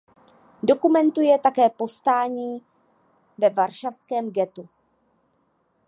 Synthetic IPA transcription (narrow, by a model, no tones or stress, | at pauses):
do̞kumɛnt̪ujɛt̪akɛːpo̞st̪aːɲiː | vɛvaɾʃafskɛːmɡɛt̪u